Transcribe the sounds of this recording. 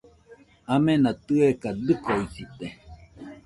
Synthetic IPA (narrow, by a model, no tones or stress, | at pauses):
amenat̪ɨekad̪ɨkoisit̪e